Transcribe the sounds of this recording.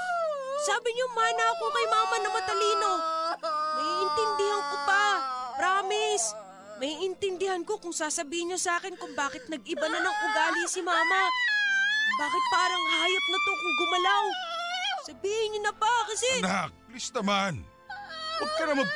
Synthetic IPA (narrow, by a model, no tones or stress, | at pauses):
saːbɪɲomaːnaɐkomɐjmaːmɐnɐmɐt̪ɐliːno̞ | mɐiːʔɪnt̪ɪnd̪ɪhaŋkopɐpɾaːmɪs | mɐiʔɪnt̪ɪnd̪ɪhanko̞kʊŋsaːsɐbiːhɪnɲosaːkɪnkʊŋbaːkɪt̪̚nɐɡ̚ʔɪbɐnɐlɐŋkʊŋɡ̪aːlɪsɪmaːmɐ | baːkɪt̪̚paːɾɐŋhɐɦajap̚nɐt̪okʊŋɡʊmɐlaw | sɐbiːhɪɲʊnɐpakɐsɛnaklisnɐman | pɐɡ̚kɐnɐmɐɡ̚